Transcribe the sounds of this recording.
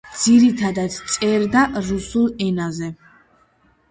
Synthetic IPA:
d̪z̥iɾit̪ʰad̪at̪t̪sʼɛɾd̪aʔɾusulˠɛnazɛ

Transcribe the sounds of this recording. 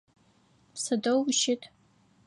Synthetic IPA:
psɐdowʃɪtʰʼ

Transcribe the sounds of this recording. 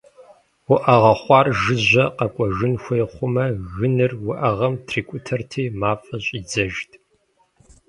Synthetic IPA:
wʊʔɐʁɐχʷɑːrʒɨʑʷɐqɐkʷʼɔʒɨnxʷejχʷʊmɐɣɨnɨrwʊʔɐʁɐmtʰriːkʷʼʊtʰɐrtʰiːmaːfʼɐɕʼiːd͡zɐʒtʰʼ

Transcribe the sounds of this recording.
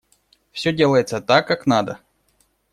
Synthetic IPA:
fsʲɵdʲe̞lˠəjɪt̪sət̪akːaknad̪ə

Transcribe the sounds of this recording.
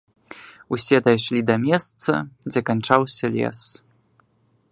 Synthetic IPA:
usʲɛd̪ɐjʂlʲid̪ɐmʲɛst̪sɐ̰d͡zʲɛkant͡ʂawsʲɐlʲɛ̰s

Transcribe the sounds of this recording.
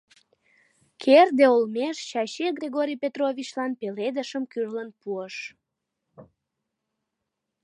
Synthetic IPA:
kʰerd̪eolmeʃɕɑɕeɡrʲeɣoɾʲijpʲet̪rovʲit͡ɕlɑnpeled̪əʃəmkyrlənpuəʃ

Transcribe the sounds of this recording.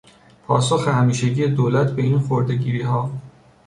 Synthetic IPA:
pʰɒːsoxehæmiːʃeɟiːjed̪oːlæt̪ʰbe̞iːnxoɾd̪eɟiːɾiːɦɒː

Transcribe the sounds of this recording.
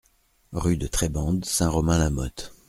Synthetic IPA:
ʁyd̪ət̪χɛbɑ̃d̪sɛ̃ʁɔmɛ̃lamɔt̪

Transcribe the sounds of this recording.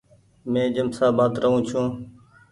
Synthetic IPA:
mẽːd͡ʒəmsaːbaːt̪ɾəɦũːt͡ʃʰũː

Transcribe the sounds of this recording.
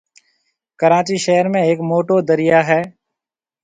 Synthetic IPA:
kəɾaːt͡ʃiʃɛɦəɾmẽeːkmoːʈod̪əɾɪjaɦɛː

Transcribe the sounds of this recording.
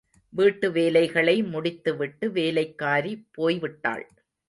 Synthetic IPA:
ʋiːʈːɯʋeːlɐɪɣɐɭɐɪmʊɽɪt̪ːɯʋɪʈːɯʋeːlɐɪkːaːɾipːoːjʋɪʈːa̰ːɭ

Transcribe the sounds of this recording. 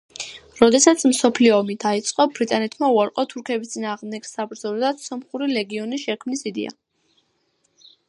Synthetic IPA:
ɾɔd̪ɛsat̪sʰmsɔpʰliɔːmid̪ait̪sʼqʼɔbɾit̪ʼanɛt̪ʰmauaɾqʼɔt̪ʰuɾkʰɛbist̪sʼinaːʁmd̪ɛɡsabɾd̪zɔlɔd̪asɔmχuɾilɛɡiɔnisʃɛkʰmnisid̪ḭa̰

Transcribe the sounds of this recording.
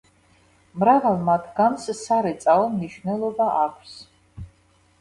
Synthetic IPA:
mɾavalˠmat̪ʰɡanssaɾɛt̪sʼaɔmniʃvnɛlˠɔbaʔakʷʰs

